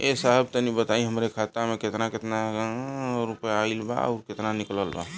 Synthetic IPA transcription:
esəɦəbt̪ənibət̪aĩɦəmɾekʰat̪ameket̪naket̪na | ɾupəjaːilba̰a̰ʊɾket̪nanikləlba̰

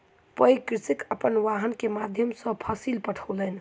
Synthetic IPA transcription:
pəjkɾisikəpənʋaɦənkemad̪ʱjəmsə̃pʰəsilpəʈʰələn

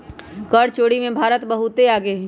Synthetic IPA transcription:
kəɽt͡ʃoːɽimẽbʱaːɾət̪bəɦʊt̪eaːɡeɦ

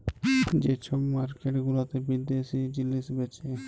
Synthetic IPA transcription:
d͡ʒet͡ʃʰobmaɾkeʈɡulot̪ebid̪eʃid͡ʑilːisbet͡ʃe

